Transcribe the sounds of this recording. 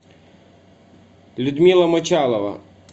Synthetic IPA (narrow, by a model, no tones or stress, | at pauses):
lʲud̪mʲilˠɐmɔt͡ʃɑlˠɔʋɐ̰